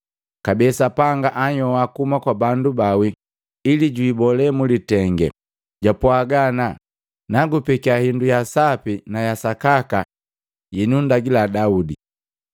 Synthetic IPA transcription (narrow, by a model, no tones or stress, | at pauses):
kabɛsapaŋɡaʔaɲɔwakumakwabandubawi | iliɟwːbɔlɛmulitɛŋɡɛ̰ | ɟapwaɡana | naɡupɛkiahindujasapinajasakaka | jɛnundaɡiladaudi